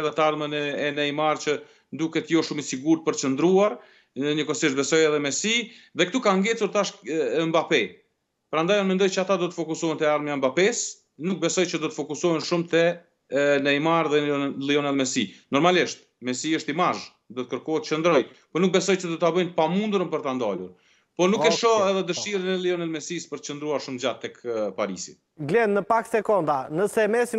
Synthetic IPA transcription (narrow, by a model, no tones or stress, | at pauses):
ðɛt̪aɾmənɛɛnɛjmaɾt͡ʃə | nd̪ukɛt̪jɔʃumisiɡuɾt̪̚pəɾt͡ʃənd̪ɾuaɾ | ɲəkɔsiʃt̪bɛsɔjɛðɛmɛsiðɛkt̪ukaŋɡɛt͡suɾt̪aʃmbapɛ | pəɾand̪ajɔnmɛnd̪ɔjt͡ɕəat̪ad̪ɔt̪əfɔkusɔɦɛnt̪ɛaɾmjambapɛs | nuk̚bɛsɔjt͡ɕəd̪ɔt̪əfɔkusɔɦɛnʃumt̪ɛ | nəimaɾðɛnliɔnɛlˠmɛsinɔɾmaliʃt̪̚ | mɛsiəʃt̪imaʒ | d̪ɔt̪əkəɾkɔɦɛt̪t͡ʃənd̪ɾɔj | pɔnuk̚bɛsɔjt͡ʃəd̪ɔt̪abəjnpamund̪ɾəmpəɾt̪and̪alṵɾ | pɔnukkɛʃɔɛðɛd̪əʃiɾənɛlˠiɔnɛlmɛsispəɾt̪ə̥t͡ʃənd̪ɾuaɾʃumd͡ʒat̪ːɛkpaɾisḭt̪ | ɡlɛnnəpakt̪sɛkɔnd̪anəsɛmɛsi